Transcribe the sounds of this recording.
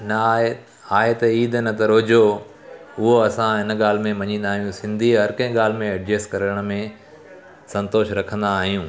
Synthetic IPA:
nɐ | aːɦet̪ɐiːd̪ʱnɐt̪ɐɾoːd͡ʑo | ʊɦoɐsãɦɪn̆ɠaːl̤mẽmɐɲĩːn̆d̪aːɦijũsɪ̃nd̪ʱiɦɐɾkɐ̃ɦɪ̃ɠaːl̤ɪmẽɐɖd͡ʑeːskɐɾəəɽ̃mẽ | sɐ̃nt̪oːʃɾɐkʰə̃nd̪aːɦijũː

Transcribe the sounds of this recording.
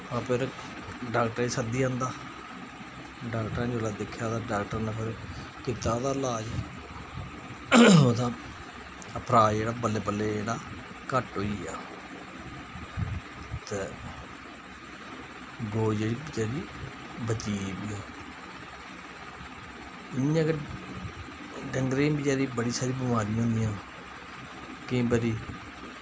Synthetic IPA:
apʰɪɾ | ɖaːkʈəɾeːsəd̪iːãːnd̪aː | ɖaːkʈəɾãːd͡ʒoːlaːd̪ekʰːjaːd̪aːɖaːk̚ʈəɾnãːpʰɪɾ | kɪt̪ːaːd̪aːlaːd͡ʒ | oːd̪aː | əpʰɾaːeːɽaːbəlːeːbəlːeːd͡ʒeːɽaː | kəʈɦoːiːaː | t̪eː | ɡoːd͡ʒeːɽiːbt͡ʃeːɾiː | bət͡ʃiːbiːoː | ɪnĩːãːɡəɾ | ɖəŋɡɾẽːbid͡ʒeːɾiːbəɽiːsaːɾiːbɪmaːɾijãːɦõːnd̪iːjãː | kɪ̃ːbəɾiː

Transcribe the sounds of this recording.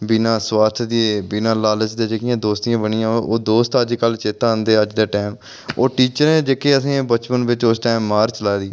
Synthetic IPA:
bɪnãːswaːt̪ʰd̪ieːbɪnãːlaːləsd̪eːd͡ʒeːkɪjãːd̪oːst̪ɪjãːbəɳɪjãːoːd̪oːst̪əd͡ʒkəlt͡ʃeːt̪ãːənd̪eːəd͡ʒd̪eːʈɛːm | oːʈiːt͡ʃəɾneːd͡ʒeːkeːəsĩːbət͡ʃpənʋɪt͡ʃʊsʈɛːmːaːɾt͡ʃəlaːd̪iː

